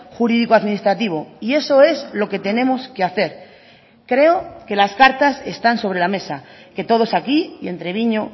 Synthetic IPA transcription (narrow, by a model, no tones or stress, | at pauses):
xuɾiðikoaðminist̪ɾat̪iβ̞o̞ie̞so̞e̞zlo̞ke̞t̪e̞nẽ̞mo̞skeaθe̞ɾ | kɾe̞oke̞laskaɾt̪ase̞st̪anso̞β̞ɾe̞lame̞sa | ke̞t̪o̞ð̞o̞sakiie̞nt̪ɾe̞βiɲo̞